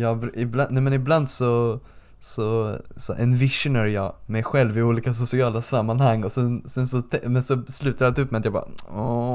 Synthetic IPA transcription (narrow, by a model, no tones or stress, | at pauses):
jɑːɡbɾɪblanɛmɛnɪbland̪sɔ | sɔsɔ̰ʔɛ̰nvɪʂʊnaɾjɑːmɛjɧɛlvɪuːliːkasʊsɪɑːlasamːanhaŋːɔsɛnsɛnsɔt̪ʰɛmɛnsɔslʉ̟ːt̪aɾat̪ɵpːmɛat̪jɑːbɑ̰ːɔ